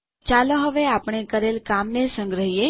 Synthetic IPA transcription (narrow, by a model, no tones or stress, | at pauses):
t͡ʃaloɦəʋeapəɳ̃ekəɾelkamnesə̃ŋɡɾəɦie